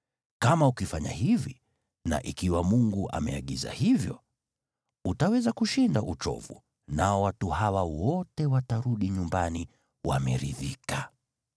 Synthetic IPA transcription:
kamaukifaɲa̰hivi | na̰ʔikiwamuŋɡuʔa̰mɛaɠiza̰hivjɔ | utawɛzakuʃindaʔut͡ʃɔ̰vṵ | naɔwatuhawawɔtɛwataɾuɗiɲumbani | wamɛɾḭðika

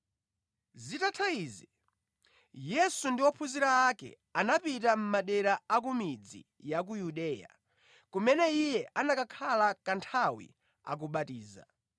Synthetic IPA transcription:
zitatʰaizi | jɛsundiwɔpʰuziɾaːkɛ̰ | anapit̬am̩maɗɛɾaak̬umid͡zḭ | jak̬ujuɗɛːja̰ | kumɛnɛijɛʔanakakʰalakantʰawḭ | a̰k̬uɓatiːza̰

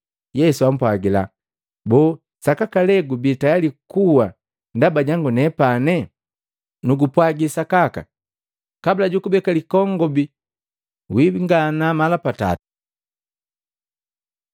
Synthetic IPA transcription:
jɛsuam̩pwaɡila̰ | bɔː | sakakalɛɡubitajalikuwa | ndabaɟaŋɡunɛpanɛ | nuɡupwaɡisakaka̰ | kabilaɟukubɛkalikɔŋɡɔbi | wibiŋɡanamalapata̰ti̥

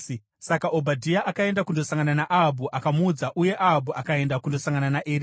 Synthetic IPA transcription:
sakaʔo̞bʱadʱijaʔakae̞ndakundo̞saŋɡananaʔaɦabʱuʔakamud͡zaʔuje̞ʔaɦabʱuʔakae̞ndakundosaŋɡananaʔeɾ

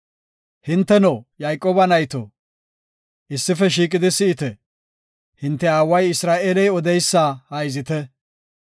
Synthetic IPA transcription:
hɪnt̪ːɛnoːjajkʼoːbɐnɐjt̪o̰ | ʔɪsːɪfɛʃ̬iːkʼɪd̪ɪsɪɪt̪ɛ | hɪnt̪ːɛaːwɐjɪsɾaːʔeːlɛjɔd̪ɛjsːahɐjɪzɪt̪ɛ

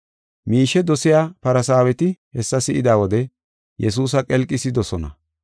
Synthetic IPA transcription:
miːʃɛd̪ɔsɪjaːpɐɾɐsaːwɛt̪ɪhɛsːɐsɪʔɪd̪aːwɔd̪ɛ | jɛs̬uːs̬ɐkʼɛlkʼːɪsɪd̪ɔsɔnɐ̰

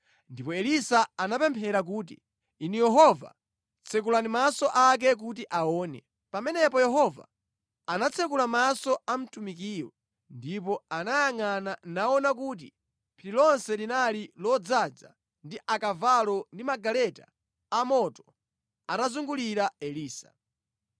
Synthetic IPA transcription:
ndipɔɛlisaanapɛmpʰɛɾak̬uːt̬ḭ | inujɛɦɔva̰ | t͡sʰɛk̬ulanimasɔʔak̬ɛk̬ut̬iʔaɔːnɛ̰ | pamɛnɛpɔjɛɦɔva̰ | anat͡sʰɛkulamasɔam̩tumik̬iːwɔ | ndip̬ɔanajaŋananaɔnakuːt̬ḭ | pʰililɔnsɛlinalilɔd͡zad͡za̰ | ndiʔakavalɔndimaɡalɛta̰ | amɔtɔ̥ | anazuŋɡuliɾaɛliːsa̰

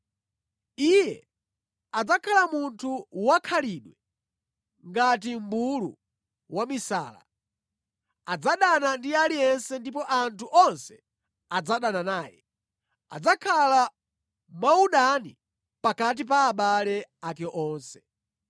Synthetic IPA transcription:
ijɛ | ad͡zakʰalamuntʰuwakʰaliɗwɛ | ŋɡat̬imbulṵ | wamisa̰ːla̰ | ad͡zaɗanandialijɛnsɛndip̬ɔʔantʰuʔɔnsɛ | ad͡zaɗananaːjɛ | a̰d͡zakʰala | mauɗanḭ | pakat̬ip̬aːɓalɛakɛʔɔːnsɛ̥

